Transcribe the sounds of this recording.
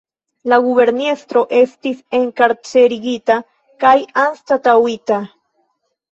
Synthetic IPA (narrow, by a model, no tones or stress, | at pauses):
laɡuβe̞ɾnest̪ɾo̞ʔe̞st̪ise̞ŋkaɾt͡se̞ɾiɡit̪a | kajanst̪at̪awit̪a